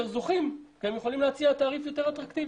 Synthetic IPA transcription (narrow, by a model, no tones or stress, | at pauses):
eχzuχimkemjeχolimleat͡siat̪aːʁifjo̞t̪eʁat̪ʁakt̪iv